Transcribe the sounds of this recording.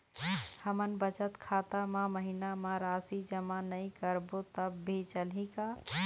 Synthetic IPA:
həmənbət͡ʃət̪kʰat̪amãməɦinamãɾasid͡ʒəmanəɪ̃kəɾbot̪əbːʱet͡ʃəlɦĩka

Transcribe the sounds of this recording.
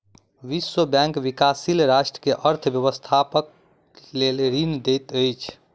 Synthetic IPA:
ʋiswəbjɛ̃ŋkʋikasilɾaʃʈɾəkeʔəɾt̪ʰbjəβəst̪ʰapək̚ | leleɾind̪et̪əjt͡ʃʰ

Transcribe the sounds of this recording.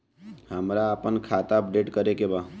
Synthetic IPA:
həmɾaəpənkʰaːt̪aəp̚ɖeːʈkəɾekebaː

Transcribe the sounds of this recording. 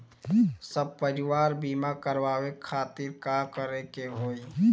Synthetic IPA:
səb̚pəɾɪwaːɾbiːmakəɾwaːwekʰaːt̪iɾkakəɾekeɦoːi

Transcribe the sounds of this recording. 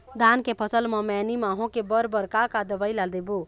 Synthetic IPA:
d̪aːnkepʰəsəlmɔ̃mɛnimãːɦõkebəɾbəɾkakad̪əʋaːilald̪ebo

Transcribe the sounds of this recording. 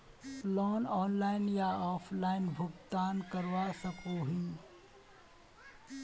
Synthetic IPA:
lɔːnɔːnlaːɪnjaɔːpʰlaːɪnbʱʊɡt̪aːnkəɾʋaːsəkoːɦĩː

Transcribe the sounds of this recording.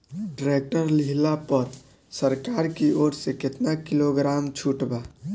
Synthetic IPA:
ɖɾek̚ʈəɾliɦlapəɾ | səɾkaːɾkioːɾsekɪt̪nakiloɡɾaːmt͡ʃʰuʈbaː

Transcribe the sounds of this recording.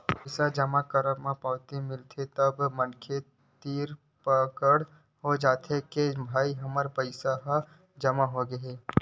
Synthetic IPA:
pəɪsad͡ʒɐmakəɾəmãpaːt̪emɪlt̪ʰet̪əbmənkʰe | t̪iːɾ | pəkəɽ | ɦod͡ʒaːt̪ʰekebʱaːiɦɐməɾpəɪsaɦ | d͡ʒɐmaɦoɡəɦeː

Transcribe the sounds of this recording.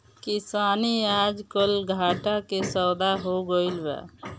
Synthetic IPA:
kisaːniad͡ʒkəlɡʱaːʈakesəd̪aɦoɡəilbɛ̰

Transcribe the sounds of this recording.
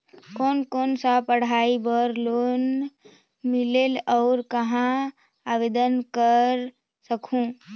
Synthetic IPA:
koːnkoːnsapəɽ̤aːibəɾloːn | mɪleːlɔːɾkɐɦã | aːʋeːd̪ənkəɾ | səkʰũ

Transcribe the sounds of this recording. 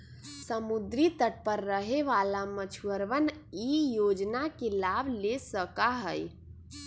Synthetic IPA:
səmud̪ɾit̪əʈ̚pəɾːəɦeʋalamət͡ʃʰuəɾʋənijod͡ʒnakelabʱlesəkaɦəj

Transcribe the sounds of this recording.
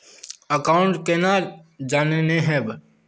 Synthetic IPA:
əkaːʊ̃ɳʈkenad͡ʒaːnenẽɦɛ̃b

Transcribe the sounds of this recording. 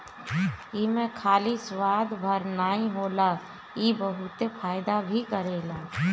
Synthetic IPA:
iːmẽkʰaːliswaːd̪bʱəɾnaːĩɦoːla | iːbəɦʊt̪epʰaːjd̪abʱikəɾeːlaː

